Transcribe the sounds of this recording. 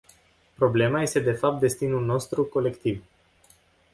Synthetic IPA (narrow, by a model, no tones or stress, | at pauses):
pɾo̞ble̞maje̞st̪e̞d̪e̞fap̚t̪̚d̪e̞st̪inulno̞st̪ɾuko̞le̞kt̪iv